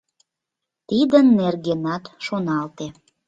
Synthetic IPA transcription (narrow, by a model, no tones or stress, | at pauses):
t̪id̪ənːerɣenɑt̪ʃonɑlt̪e